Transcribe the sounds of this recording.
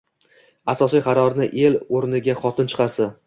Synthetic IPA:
asɒsijqʰɑɾɒɾnɪʔe̞loɾnɪɡʲaχɒt̪ʰɪnt͡ʃʰɨ̥qʰɑɾsa

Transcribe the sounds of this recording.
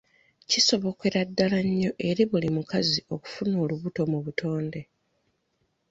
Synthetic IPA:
ciso̞βo̞ke̞ɾadːalaɲːo̞ʔe̞ɾiβulimukazio̞ku̥funo̞ːluβuto̞muβutʰo̞ːnde̞

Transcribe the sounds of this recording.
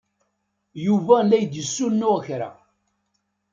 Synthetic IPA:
juvælːæjd̪jəsːunːuæçɾa̰

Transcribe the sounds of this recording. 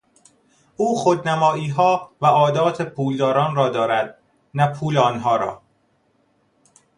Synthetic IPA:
ʔuːxod̪næmɒːiːɦɒːvæɒːd̪ɒːt̪ʰepʰuːld̪ɒːɾɒːnrɒːd̪ɒːɾæd̪̥̚ | næpʰuːleɒnɦɒːɾɒ̰ː

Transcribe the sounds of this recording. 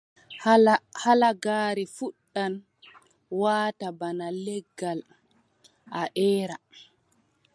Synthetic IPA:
halaɡaːɾifuɗːan | waːtabanalɛɡːal | ʔaʔɛːɾa

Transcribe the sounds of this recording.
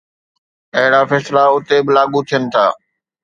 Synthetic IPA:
ɐɦɪɽafɛːslaʊt̪ebɪlaːɠut̪ʰijənɪ̆t̪ʰaː

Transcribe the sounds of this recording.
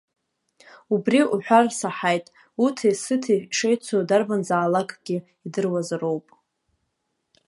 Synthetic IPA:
ubriuħʷᶣarsaħajtʼ | utʰisɨtʰiʂejt͡sʷʰodarbanzaːlakʼɡ̥ʲi | idɨrwazro̞wpʼ

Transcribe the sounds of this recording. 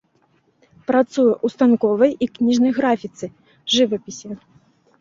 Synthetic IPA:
pɾat̪sujɛʔust̪ankɔvɐjiknʲiʐnɐjɣɾafʲit̪sɨ | ʐɨvɐpʲisʲɛ

